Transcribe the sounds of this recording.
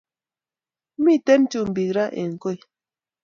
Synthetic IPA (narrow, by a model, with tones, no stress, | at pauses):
mi˦˨tɛ˦n˦tu˦˨m̩˨bi˨kɾa˦ʔḛ˨ŋ̩˨ko˦˨j